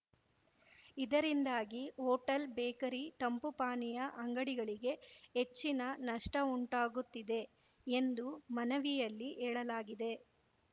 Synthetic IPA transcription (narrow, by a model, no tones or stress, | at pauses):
id̪ɐɾind̪aːɡioːʈɐlbeːkɐɾit̪ɐmpupaːnijɐʔɐŋɡɐɽiɡɐɭiɡe̞ɦet͡ʃːinɐnɐʂʈɐuɳʈaːɡut̪ːid̪e̞ | end̪umɐnɐʋijɐlːiʔɛːɭɐlaːɡid̪e̞